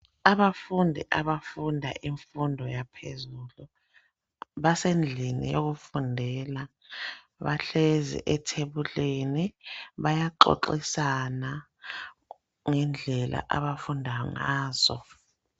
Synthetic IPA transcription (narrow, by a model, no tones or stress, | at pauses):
aβafundʱḭʔaβafundʱa̰ʔiɱfundʱɔjapʰezulu | βasend͡ɮʱinḭjoɣ̬ufundʱɛla | βaɬɛzḭʔɛtʰeβuleniβajaǃo̰ǃisana | ŋɛnd͡ɮʱɛla̰ʔaβafundʱaŋaːz̥ɔ̰